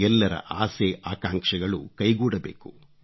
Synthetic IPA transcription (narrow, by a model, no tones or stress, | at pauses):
ɛlːɐɾɐ̰ʔaːseʔaːkaːŋkʂɐɡɐɭṵkɐjɡuːɽɐbḛːku